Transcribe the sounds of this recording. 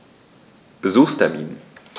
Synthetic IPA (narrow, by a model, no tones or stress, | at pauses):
b̥əzuːχstʰɛɐmḭːnən